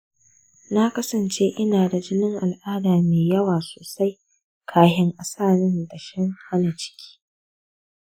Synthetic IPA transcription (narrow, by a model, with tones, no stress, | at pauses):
na˦kɐ˦sɐ˨nt͡ʃeː˦ʔɪ˦naː˨da˨d͡ʒɪ˦nɪ˦ŋʔa˨lʔaː˦daː˨meː˨jɐ˦waː˨soː˨sa˦j | kʰaː˦ɦɪ˦ŋʔa˨saː˦˨nɪ˦nda˨ʃɪ˦ŋha˦na˨t͡ʃɪ̥˦kʲi̥ː˦